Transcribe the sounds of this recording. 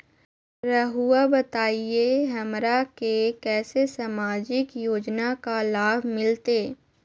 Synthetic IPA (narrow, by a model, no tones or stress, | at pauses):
ɾəɦuabət̪aːieɦəmɾakekɛːsesamaːd͡ʒɪkjoːd͡ʒnakalaːbmɪlt̪eː